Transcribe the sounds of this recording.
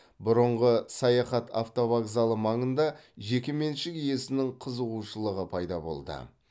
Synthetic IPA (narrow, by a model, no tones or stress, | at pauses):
bʊɾəɴʁəsɑjɑχɑt̪ʰa̰ft̪o̞vakzɑlˠəmɑɴənd̪ɑʒe̞kʲɪme̞nʃɪkije̞sɪnɪŋqʰəzəʁuʃəlˠəʁəpʰɑjd̪ɑbo̞̰lˠd̪ə̰